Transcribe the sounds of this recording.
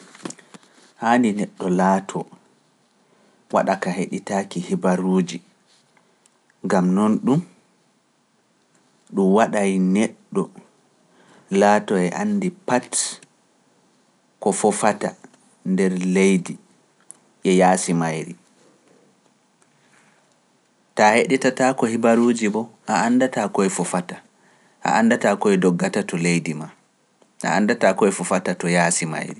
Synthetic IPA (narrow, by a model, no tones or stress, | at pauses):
haːninɛɗːɔlaːtʰɔ | waɗakaɦeɗitaːkihibaɾuːd͡ʒi | ŋɡamnɔnɗum | ɗumwaɗajnɛɗːɔ | laːtɔɛʔa̰nːdipat | kɔfɔfata̰ | ndɛɾlejdi | ʔɛjaːsimajɾi | taheɗɛtatakɔhibaɾuːd͡ʒibɔʔaanːdatakɔɛfɔfata | ʔa̰ʔandatakɔɛdɔɡːatatɔlejdima | ʔa̰andatakɔɛfɔfatatɔjaːsima̰jɾi